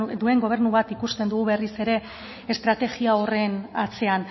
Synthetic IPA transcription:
d̪ue̞ŋɡo̞β̞e̞ɾnuβat̪ikust̪e̞nd̪uɣuβe̞rise̞ɾe̞ | est̪ɾat̪e̞ɣiao̞re̞nat͡se̞an

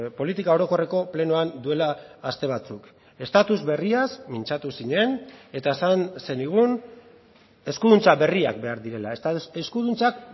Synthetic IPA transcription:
po̞lit̪ikao̞ɾo̞ko̞re̞ko̞ple̞noand̪ue̞laːst̪e̞β̞at͡suk | e̞st̪at̪uzβe̞riasmint͡ʃat̪usiɲe̞ne̞t̪aesanse̞niɣun | e̞skuðunt͡saβe̞ria̰k̚be̞aɾðiɾe̞laeskuðunt͡sak̚

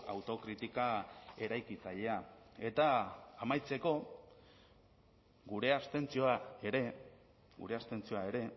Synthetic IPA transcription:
a̰wt̪o̞kɾit̪ikae̞ɾajkit͡saʎe̞ae̞t̪aːmajt͡se̞ko̞ | ɡuɾe̞ast̪e̞nt͡sio̞ae̞ɾe̞ | ɡṵɾe̞ast̪e̞nt͡sio̞ae̞ɾe̞

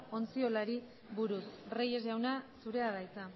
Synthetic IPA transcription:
o̞nt͡sio̞laɾi | βuɾusreje̞zʝawnasuɾe̞aðajt͡sa

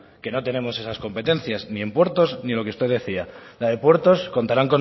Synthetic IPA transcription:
ke̞no̞t̪e̞nẽ̞mo̞se̞sasko̞mpe̞t̪e̞nθjaznie̞mpwe̞ɾt̪o̞znilo̞keust̪e̞ðe̞θialaðe̞pwe̞ɾt̪o̞sko̞nt̪aɾaŋko̞n

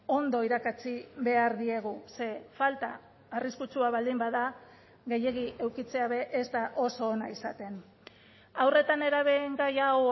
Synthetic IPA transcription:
o̞nd̪o̞iɾakat͡siβe̞aɾðie̞ɣ̞use̞falt̪aː | riskut͡suaβald̪imbaða | ɣe̞je̞ɣ̞iʔe̞wkit͡se̞aβe̞ʔezt̪aʔo̞so̞ːnaisat̪e̞n | awre̞t̪ane̞ɾaβe̞ŋɡajaw

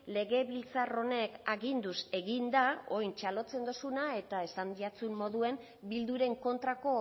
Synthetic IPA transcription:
le̞ɣe̞βilt͡saro̞ne̞kaɣind̪use̞ɣind̪ao̞jnt͡ʃalo̞t͡se̞nd̪o̞sunae̞t̪ae̞sand̪iat͡sunːo̞ðue̞m | bild̪uɾe̞ŋko̞nt̪ɾako̞

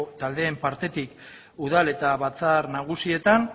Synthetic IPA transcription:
t̪ald̪e̞ːmpaɾt̪e̞t̪ik | uð̞ale̞t̪aβat͡saɾnaɣ̞usie̞t̪an

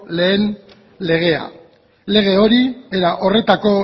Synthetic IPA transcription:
le̞ːn | le̞ɣ̞e̞a̰ | le̞ɣ̞e̞o̞ɾieɾaʔo̞re̞t̪ako̞

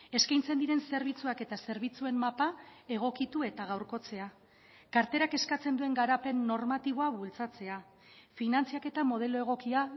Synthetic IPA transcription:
e̞skajnt͡se̞nd̪iɾe̞nse̞ɾβ̞it͡suake̞t̪ase̞ɾβ̞it͡sue̞mmapae̞ɣ̞o̞kit̪ue̞t̪aɣ̞awɾko̞t͡se̞a | kaɾt̪e̞ɾake̞skat͡se̞nd̪ue̞ŋɡaɾape̞nːo̞ɾmat̪iβo̞aβult͡sat͡se̞a | finant͡siake̞t̪amo̞ð̞e̞loe̞ɣ̞o̞kia

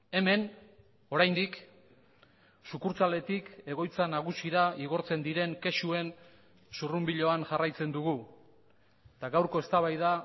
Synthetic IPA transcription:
e̞me̞n | o̞ɾajnd̪ik | sukuɾt͡sale̞t̪ike̞ɣ̞o̞jt͡sanaɣ̞usiɾaiɣ̞o̞ɾt͡se̞nd̪iɾe̞ŋke̞ʃue̞n | surumbiʎo̞anʝarajt͡se̞nd̪uɣu | t̪aɡawɾko̞e̞st̪aβajða

